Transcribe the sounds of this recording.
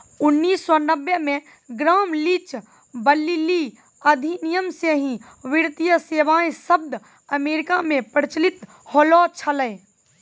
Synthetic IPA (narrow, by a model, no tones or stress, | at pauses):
ʊnːiːsːɔnəbjemẽ | ɡɾaːmlit͡ʃ | bəlːili | əd̪ʱinijəmseɦĩ | ʋɪɾt̪ijəseːʋaːẽsəb̚d̪ | əmeːɾɪkamẽpəɽt͡ʃlɪt̪ | hoːlɔːt͡ʃʰələj